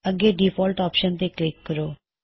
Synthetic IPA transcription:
əɡeːɖiːpʰɔːlʈɔːpʃənt̪eːklɪkːəɾoː

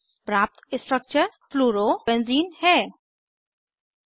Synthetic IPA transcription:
pɾaːp̚t̪ɪ̃sʈɾək̚t͡ʃəɾfluːɾobẽnziːnhɛː

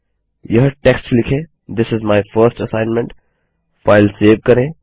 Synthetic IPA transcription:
jəɦʈɛksʈslɪkʰẽ | d̪ɪsɪzmaɪfəɾsʈəsãɪ̃nmɛ̃ɳʈ | faɪlseːʋkɐɾẽ

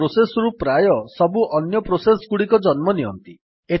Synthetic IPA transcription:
ɾosesɔɾupɾajɔsɔbuʔɔnjɔpɾosesɔɡuɽikɔd͡ʒɔnmɔniɦɔ̰nt̪i | e

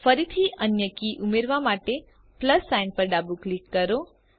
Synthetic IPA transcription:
fəɾit̪ʰiʔənjəkiʔumeɾʋamaʈe | pləsːajnpəɾɖabuklikːəɾo

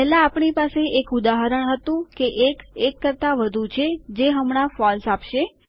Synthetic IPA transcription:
pɛɦlaːpɳipaseʔekud̪aɦəɾəɳ̃ɦət̪ũkeʔekekːəɾt̪aʋəd̪ʱut͡ʃʰed͡ʒeɦəmɳ̃afɔlsapʃe

